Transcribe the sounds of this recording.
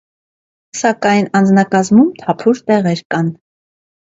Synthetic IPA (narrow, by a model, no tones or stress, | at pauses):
sɑkɑjnɑnd͡znɑkɑzmumt̪ʰɑpʰuɾt̪ɛʁɛɾkɑn